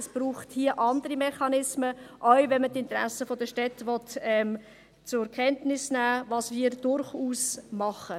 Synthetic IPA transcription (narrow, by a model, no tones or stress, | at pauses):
əsb̥ɾuːχthiəʔɑndəɾimɛχɑnɪsməʔœɥvɛnmətɪntɾæ̰səfodəʃtɛtʋɔtɛm | t͡sʊɛkʰɛntnɪsnæːvɑːsviːɾd̥ʊɾχuːsmɑχə